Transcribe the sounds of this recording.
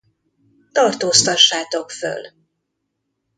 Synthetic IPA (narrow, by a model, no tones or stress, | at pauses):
t̪ɒrt̪oːst̪ɒʃːaːt̪o̞kfø̰l